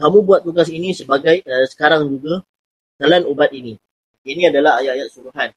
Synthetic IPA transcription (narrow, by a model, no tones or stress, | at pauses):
kamũbuat̪ːuɡasinĩsəbaɡajəsə̥kaɾaŋd͡ʒuɡa | t̪alanubat̪̚inĩ | inĩadalaɦajat̪̚ajat̪̚suɾuɦan